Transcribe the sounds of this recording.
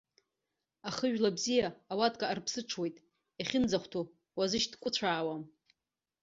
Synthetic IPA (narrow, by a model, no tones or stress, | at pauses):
aχəʒᶣlabzijaːwatʼkʼaːrpʰsɨʈ͡ʂʰwe̞jtʼ | aχʲɪnd͡zaχʷtʰu | wazɨʃdkʷʼʊt͡ɕʷʰaːwam